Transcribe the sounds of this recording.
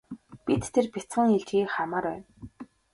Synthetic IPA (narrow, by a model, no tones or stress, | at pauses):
pit̪tʰːerpʲit͡sχə̆ŋiɮt͡ɕɣiːkχamaːɾæːn